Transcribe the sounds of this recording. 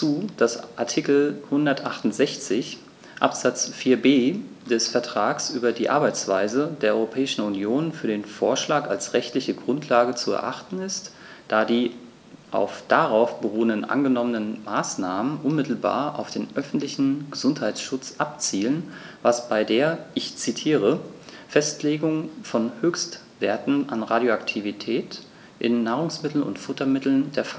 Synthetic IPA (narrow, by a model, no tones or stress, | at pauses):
t͡suːd̥asʔa̰ɐtʰikl̩hʊndɐtʔaχtʊnz̥ɛçt͡sɪç | ʔa̰pz̥at͡sfiːɐbeː | d̥ɛsfɛɐtʁ̥aːksʔyːbɐdiːʔa̰ɐbaɪt͡sv̥aɪzədeːɐʔɔʁopʰɛːɪʃn̩unjoːnfyːɐdeːnfoːɐʃlaːkalsʁɛçtlɪçəɡʁʊntʰlaːɡət͡suɛ̰ɐʔaχtn̩ɪst | d̥aːdiː | ʔa̰ʊfd̥aʁaʊfb̥əʁuːəndənʔa̰nɡənɔmənənmaːsnaːmənʔʊnmɪtl̩ba̰ːɐʔa̰ʊfd̥eːnʔœfn̩tlɪçn̩ɡ̥əzʊnthaɪtʃʊt͡sʔap̚t͡siːlən | vasb̥aɪdeːɐʔɪçt͡sitʰiːʁəfɛstleːɡʊŋfɔnhøːçstv̥eːɐtn̩ʔanʁaːdjoaktʰivitʰɛːt | ʔɪ̰nːaːʁ̞ʊŋsmɪtl̩nʊ̰ntfʊtɐmɪtl̩ndeːɐfa